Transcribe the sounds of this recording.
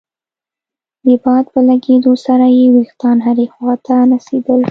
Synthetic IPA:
d̪əbɑd̪̚pəlaɡed̪osaɾajewext̪ɑnɦaɾexwɑt̪ʰaɾased̪əl

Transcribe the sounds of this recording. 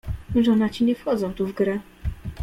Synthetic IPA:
ʐɔnat͡ɕiɲɛfxɔd̪zɔ̃w̃t̪uvɡɾɛ

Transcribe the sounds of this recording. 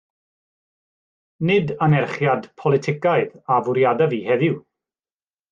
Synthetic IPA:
nɪdanɛrχjadpʰɔlˠɪtʰɪkaɨðavʊɾjadavihɛðɪw

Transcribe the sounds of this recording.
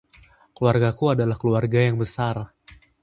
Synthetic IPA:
kluarɡakuadalahkəluarɡajaŋbəsar

